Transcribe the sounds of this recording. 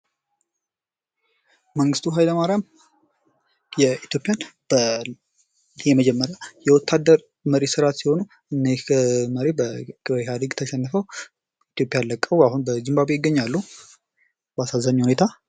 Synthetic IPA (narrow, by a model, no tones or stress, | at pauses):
məŋɡɨst̪ʰuɦajləmaɾjam | jɛit̪jo̞pʼjanb̥ə | jɛməd͡ʒɛmːəɾjajɛwɔt̪ʰːad̪ːəɾ | məɾesɨɾat̪siho̞nu | ɨnːeməɾebəɡɨbəɦad̪əɡt̪ʰəʃɛnːɨfəw | it̪jo̞pʼːjalːəkʼəwahunbəzɨmbabejɪɡːəɲːalːu | bəasazːaɲːhune̞t̪ʰa